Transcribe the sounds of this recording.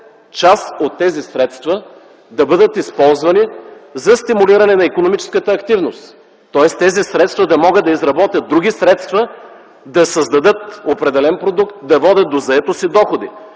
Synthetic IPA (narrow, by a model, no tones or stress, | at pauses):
t͡ʃasot̪ːɛzisɾɛt̪st̪və | d̪ɐbɤd̪ət̪ispɔlˠzvɐnizɐst̪imuliɾɐnɛnɐikonomit͡ʃɛ̥skət̪əːkt̪ivnost̪ː | ɔɛst̪ːɛzisɾɛt̪st̪vɐd̪ɐmɔɡət̪d̪ɐizɾɐbɔt̪jət̪̚d̪ːɾuɡʲisɾɛt̪st̪və | d̪ɐsəzd̪ɐd̪ɤt̪opɾɛd̪ɛlɛnpɾod̪ukt̪̚d̪ɐvɔd̪ʲət̪̚d̪ozɐɛt̪osid̪ɔxod̪ḭ